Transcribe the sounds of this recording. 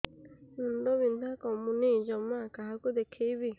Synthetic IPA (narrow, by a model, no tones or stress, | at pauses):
nʊn̩dɔβin̩d̪akɔmʊnid͡ʒɔmakaɦakod̪ekʰeibi